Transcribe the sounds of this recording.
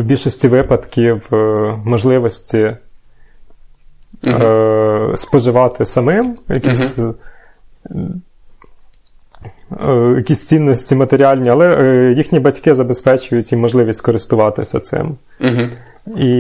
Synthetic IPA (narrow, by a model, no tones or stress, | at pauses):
wbʲilʲʃɔsʲtʲiʋɪpɐd̪kʲiwmɔʒlˠɪʋɔsʲtʲi | spɔʒɪʋɑt̪ʰɪsɐmɪmjɐkʲisʲ | jɐkʲisʲt͡sʲinːɔsʲtʲimɐt̪eɾʲiɑlʲnʲiɐlˠɛjixnʲibɐtʲkɪzɐbespɛt͡ʃʊjʊtʲimɔʒlˠɪʋʲisʲtʲkɔɾɪst̪ʊʋɑt̪ɪsʲɐt̪sɪ̰m | i